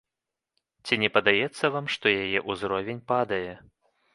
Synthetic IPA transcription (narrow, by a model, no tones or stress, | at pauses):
t͡sʲinʲɛpɐd̪ajɛt̪sːɐvamʂt̪ɔjajɛʔuzɾɔvʲɛnʲpad̪ɐjɛ